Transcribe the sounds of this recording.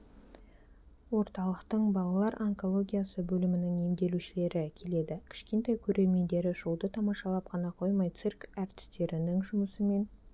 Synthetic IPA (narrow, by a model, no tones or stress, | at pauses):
wo̞ɾt̪ɑlˠəqt̪əɴbɑlˠɑlˠɑɾʔaŋko̞lˠo̞ɡʲijasəbɵlɪmɪnɪŋe̞md̪e̞luʃɪle̞ɾɪkʲʰe̞le̞d̪ɪkʲʰɪ̥ʃkʲe̞nt̪ɑjkʲʰɵɾʔe̞ɾme̞nd̪e̞ɾɪʒulˠd̪ət̪ʰɑmɑʃɑlˠɑpqʰɑnɑqʰo̞jmɑjt̪sirkæɾt̪ɪ̥st̪e̞ɾɪnɪŋʒʊməsəme̞n